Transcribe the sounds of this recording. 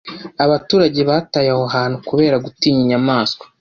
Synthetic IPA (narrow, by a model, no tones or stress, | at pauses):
aβatuːɾaɟe̞βaːtajahoɦaːnhukuβe̞ːɾaɡutiːɲiɲamaːskwḁ